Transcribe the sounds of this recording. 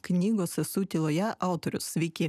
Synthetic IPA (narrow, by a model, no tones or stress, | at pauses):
knʲiɡosɨsut̪ʲilˠojɛʔɑʊt̪oɾʲʊ̰sʋʲikʲi